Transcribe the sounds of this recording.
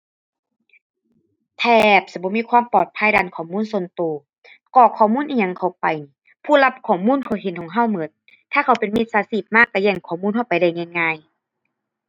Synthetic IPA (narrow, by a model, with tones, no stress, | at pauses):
t̪ʰɛː˧˩p̚sa˧˦bɔː˧˦miː˧˥˨kʰwaː˧˥˨mpɔː˨˩t̪̚pʰaː˧˥˨jdaː˧˨nkʰɔː˨˦muː˧˥˨nso˧˨nt̪oː˨˩˦ | kɔː˧˩kʰɔː˨˦muː˧˥˨nʔiː˧ɲa˧ŋkʰa˧˩wpa˨j | pʰuː˧˥˨la˧p̚kʰɔː˨˩muː˧˥˨nkʰa˧˩whe˨˦nkʰɔː˨˦ŋɦa˧˥˨wmɤ˨˦n | t̪ʰaː˧˥˩kʰa˧˦wpe˨nmi˧t̪̚saː˨˦siː˧˩t̪̚maː˧˥˨kːa˧˩jɛː˧˩ŋkʰɔː˨˩˦muː˧˥˨nhɦa˧˩wpa˨jda˧˩jŋɛː˧˩˨ŋːaː˧˩˨j